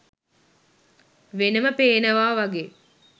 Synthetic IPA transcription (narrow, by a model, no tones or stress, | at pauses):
ʋenəməpeːnəʋaːʋaɡeː